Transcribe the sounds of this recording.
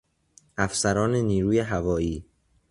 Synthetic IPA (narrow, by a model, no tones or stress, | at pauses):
ʔæfsæɾɒːneniːɾuːjeɦævɒːjiː